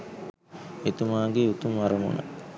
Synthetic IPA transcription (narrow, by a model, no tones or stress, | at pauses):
et̪umaːɡeut̪umʋaɾɐmṵnə̰